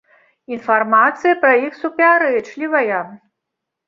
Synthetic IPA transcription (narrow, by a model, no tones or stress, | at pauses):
infarmat̪sɨjɐpɾɐixsupʲaɾɨt͡ʂlʲivɐjɐ